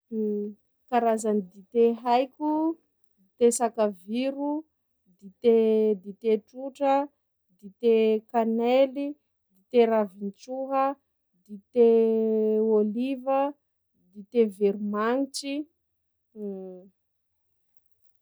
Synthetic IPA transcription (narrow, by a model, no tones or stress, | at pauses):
kaɾazanid̪it̪eɦajkʲu | d̪it̪esakaviɾu | d̪it̪ed̪it̪eʈ͡ʂuʈ͡ʂə | d̪it̪ekaneli | d̪it̪eɾavint͡ʃuɦə | d̪it̪e | olivə | d̪it̪eveɾumaŋit͡ʃi